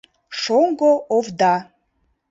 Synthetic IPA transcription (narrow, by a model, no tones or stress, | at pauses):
ʂoŋɡoovd̪a